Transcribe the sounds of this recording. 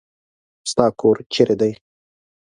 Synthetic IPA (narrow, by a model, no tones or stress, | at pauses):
st̪ɑːkʰoːɾt͡ʃeɾʔed̪aj